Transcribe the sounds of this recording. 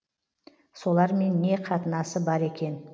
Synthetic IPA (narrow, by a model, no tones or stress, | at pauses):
so̞lˠɑɾme̞nːe̞qʰɑt̪ənɑsəbɑɾe̞kʲʰe̞n